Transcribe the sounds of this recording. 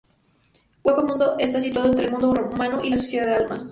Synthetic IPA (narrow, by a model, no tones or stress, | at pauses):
wekomũnd̪oʔest̪as̬it̪waðoent̪ɾelmũnd̪oomanoʔilasosjeðaðealma̰s